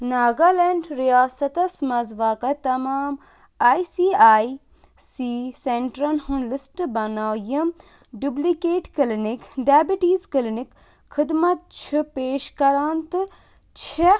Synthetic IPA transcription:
naːɡaleɳɖɾijaːsɐt̪ɐsmɐzʋakɐt̪ɐmaːm | aːjsiːaːi | siseɳʈɾɐnhunlɪsʈbɐnaːjɐm | ɖublikeːʈklnikɖaːbiʈiːzkɪlnik | xɪd̪mɐt̪̚t͡ʃʰupeːʃkɐɾaːnt̪ | t͡ʃʰe

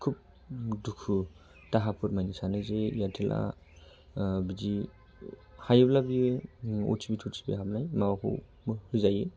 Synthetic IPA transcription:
kʰup̚ | dukʰu | taɦapʰuɾmajnisanɯzeijatʰilʔa̰ | bid͡ʒi | hajeblabieṵt͡ʃibitʰuɾsi̥bḭɦapnajmawakʰṵ | hɯzaje

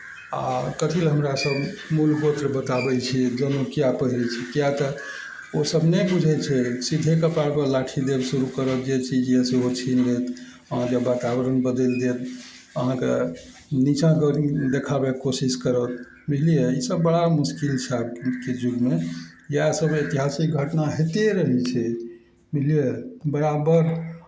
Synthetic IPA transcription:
a̰kət̪ʰilɦəmɾasəbmulkot̪ɾebət̪abɛt͡ʃʰid͡ʒənokijapəɦɾɛt͡ʃʰɛkjat̪ə | osəbnebud͡ʒʱɛt͡ʃʰɛsid̪ʱekəpaɾbelaʈʰid̪ebsuɾukəɾət̪d͡ʒet͡ʃʰid͡ʒɛseot͡ʃʰinɡet̪ | əɦãkebat̪abəɾənbəd̪eld̪et̪ | əɦãkḛ | nit͡ʃãkəid̪ekʰabekosiskəɾət̪ | milijeisəbːəɽamuskilt͡ʃʰabked͡ʒuɡme | jasəbet̪iɦasik̚ɡʱəʈnaɦet̪eɾəɦɛt͡ʃʰɛ | milijebəɾabəɾ

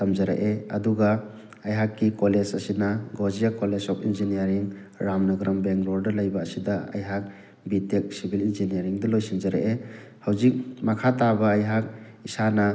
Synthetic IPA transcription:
tamd͡ʒɐɾa̰ʔeɐduɡa | ajɦakːikɔled͡ʒɐsinaɡozijakɔlesɔpinzinijaɾiŋɾamnaɡɾambeŋɾɔɾdɐlajbaːsidaɐ̰jɦak̚ | bitek̚sibʱilinzinijaɾiŋdɐlojsind͡ʒɐɾa̰ʔe | hawzik̚makʰatabaːjɦak̚ | isanɐ

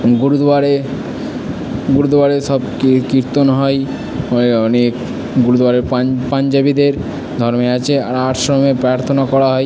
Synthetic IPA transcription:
ɡuɾud̪aɾe | ɡuɾud̪ʱaɾeʃɔb | kiɾt̪onɦɔe | eɔnek | ɡuɾud̪ʱwaɾeɾpand͡ʑabid̪eɾ | d̪ʱɔɾmeat͡ɕʰea̰ɾaʈʰʃɾomepɾaɾt̪ʰonakɔɾaɦɔe

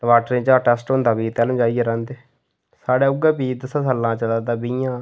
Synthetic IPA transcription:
ʋaːʈɾẽːt͡ʃaːʈɛsʈɦõnd̪aːbiːt̪ɛːlmd͡ʒaːieɾɛ̃ːnd̪eː | saːɽeːʊɡeːbiːd̪əsãːsəlːãːt͡ʃəlaːd̪aːbijãː

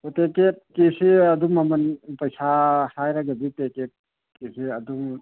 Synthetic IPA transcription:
oteket̚kisiɐd̪umɐmɐnpɐjsʰahajɾɐɡɐbiteket̚ | kisiɐd̪um

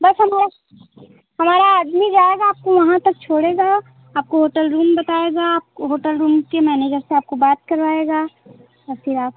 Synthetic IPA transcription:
bɐsɦɐmaːɾa | hɐmaːɾaːd̪mid͡ʒaːeɡaːp̚koʋɐɦãt̪ɐk̚t͡ʃʰoːɽeːɡa | aːp̚koɦoːʈəlɾuːmbɐt̪aːeɡaːp̚ɦoːʈəlɾuːmkemɛːneːd͡ʒəɾseaːp̚kobaːt̪̚kɐɾʋaːeɡaː | ɔːɾfʰɪɾaːp̚

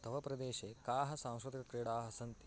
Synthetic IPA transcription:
t̪ɐʋɐpɾɐd̪eːʃeːkaːɦɐsãw̃skɾt̪ikɐkɾeːɽaːɦɐsɐnt̪

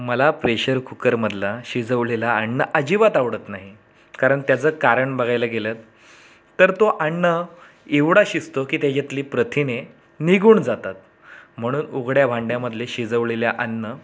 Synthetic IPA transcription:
məlapɾeɕəɾkʰukəɾməd̪ʱlaɕid͡zəʋlelaːɳːəʔəd͡ʑiʋat̪aʋɽət̪naɦi | kaɾəɳt̪jat͡səːkaɾəɳbəɡʱajləɡelət̪ː | əɾt̪oʔaɳːə | eʋɽaɕist̪okiːt̪jad͡ʑet̪liːpɾət̪ʰine | niɡuːɳd͡zat̪at̪ | m̤əɽ̃uːnuɡɽjaʋʱaɳɖjaməd̪ʱleɕid͡zəʋleljaʔənːə

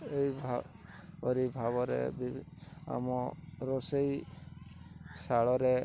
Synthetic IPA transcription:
ejbʱa | ɔɾibʱaβɔɾḛbia̰mɔɾɔsej | saɭɔɾe

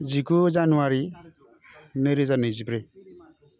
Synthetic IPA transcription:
d͡ʒikud͡ʒanuaɾi | neɾizaned͡ʒipɾe

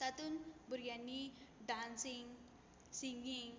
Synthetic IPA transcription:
t̪at̪unbuɾjanːiɖansiŋ | siŋiŋ

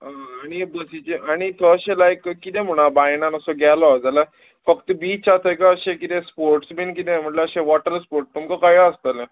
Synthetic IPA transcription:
ɦãːɽ̃ibəsit͡ɕeʔaɽ̃it̪ʰəːɕelaekkːit̪ɛ̃m̤uɽ̃abajñãnəsɔɡɛlad͡zala | fəkt̪bit͡sat̪ʰəjkaəɕẽkit̪ɛspoɾʈsbink̬it̪ẽm̤əʈleəɕẽʋɔʈəɾspoɾʈ̚t̪umkakaɦiaəst̪əlẽ

